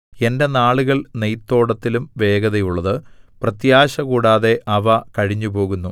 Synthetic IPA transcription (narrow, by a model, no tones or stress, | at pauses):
e̞nde̞naːɭuɣɐɭnejt̪ːo̞ːɽɐt̪ːilumʋe̞ːɡɐðɐjuɭːɐðɨprɐt̪jaːɕɐkuːɽaːðe̞ʔɐʋɐkɐɻiɲːupo̞ːɣunːu